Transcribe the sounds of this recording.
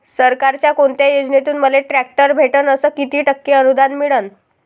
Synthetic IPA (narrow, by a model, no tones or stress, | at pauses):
səɾkaɾt͡ɕjakoɳt̪jajod͡znet̪uːnməleʈɾæk̚ʈəɾbʱeʈənəsəːkit̪iːʈəkːeənud̪anmiɭən